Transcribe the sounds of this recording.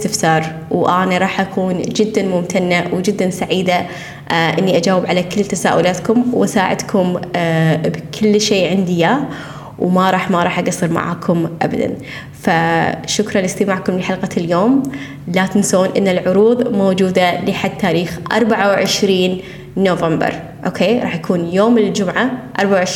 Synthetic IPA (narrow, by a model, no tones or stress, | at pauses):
t̪ɪfsɑːɾˤ | wʔaːnaɾˤɑːħʔakʰuːnd͡ʒɪd̪ːanmʊmt̪ʰanːawd͡ʒɪd̪ːansaʕiːd̪a | ʔɪnːiʔad͡ʒaːwɪbʕalakɪlːt̪asaːʔʊlaːt̪kʊmwʔɪsaːʕɪ̰d̪kʰʊm | bkʰɪlːʃeːʕɪnd̪ɪja | wmaɾˤɑːħmaɾˤɑːħʔaɡɑsˤːɨɾma̰ʕa̰ːkʰʊmʔa̰ba̰d̪a̰n | faʃʊkɾˤɑnlɪst̪ɪmaːʕkʊmlɪħalqɑljoːm | lat̪ɪnsoːnʔɪ̰nːalʕʊɾuːðˤmoːd͡ʒuːd̪alɪħad̪̚t̪ːaːɾiːxʔɑ̰ɾˤbaʕawʕɪʃɾiːnː | oːvambɑ̰ɾˤ | ʔoːkʰeːɾˤɑ̰ːħjakʰuːnjoːmld͡ʒʊmʕaʔɑɾˤbaʕawʕɪʃ